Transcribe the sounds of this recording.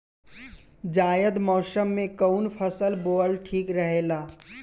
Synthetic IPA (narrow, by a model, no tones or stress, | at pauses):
d͡ʒaːjəd̪mɔːsəmːẽkəʊnpʰəsəlboːlʈʰiːkɾəɦeːlaː